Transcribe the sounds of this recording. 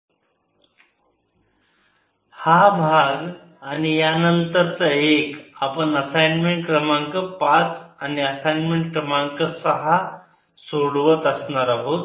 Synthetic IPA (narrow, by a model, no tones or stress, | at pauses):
habʱaɡ | añijanənt̪əɾt͡səekapəɳəsajnmeɳʈkɾəmaŋkəpat͡saniəsajnmeɳʈ̚kɾəmaŋkəsəɦa | soɽʋət̪əsnaɾaɦot̪